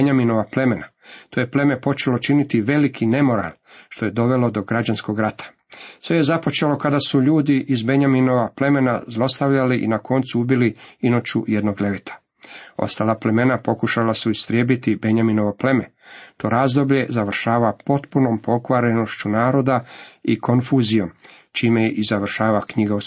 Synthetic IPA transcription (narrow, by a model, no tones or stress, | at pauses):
ɲamino̞ʋaple̞me̞na | t̪ojeple̞me̞po̞t͡ʃe̞lo̞t͡ʃinit̪iʋe̞likʰine̞mo̞ɾa̰l | ʃt̪o̞je̞d̪o̞ʋe̞lo̞d̪o̞ɡɾad͡ʑansko̞ɡɾat̪ʰḁ | sʋe̞je̞zapo̞t͡ʃe̞lo̞kad̪asuʎuːd̪iʔizbe̞ɲamino̞ʋaple̞me̞na̰zlˠo̞st̪aʋʎaliʔḭnakʰo̞nt̪suubiliino̞t͡ɕṵje̞d̪no̞ɡle̞ʋet̪ʰḁ | o̞̰st̪aːlˠaple̞me̞napo̞kuʃalasuist̪ɾʲjebit̪ibe̞ɲamino̞ʋople̞me | t̪o̞ɾaːzd̪o̞bʎe̞zaʋrʃaːʋapo̞t̪puno̞mpo̞kʋaɾeno̞ʃt͡ɕunaːɾo̞d̪aikʰo̞nfuːzijo̞m | t͡ʃiːmejeʔizaʋr̩ʃaːʋakɲiɡau